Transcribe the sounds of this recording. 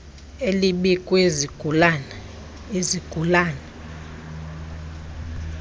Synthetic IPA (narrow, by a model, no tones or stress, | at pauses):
eliɓikʼwezan | eziɡ̥ʱulaːnɛ